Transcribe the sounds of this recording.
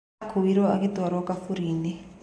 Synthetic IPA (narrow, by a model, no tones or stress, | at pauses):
kʰuwiɾɔakit̪aɾwɔkafuɾiːni